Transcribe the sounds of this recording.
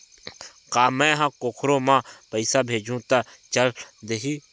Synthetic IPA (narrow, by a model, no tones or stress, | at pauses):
kaːmɛ̃ːɦãkoːkʰɾomãːpəɪsabʱeːd͡ʒũt̪at͡ʃəld̪eɦiː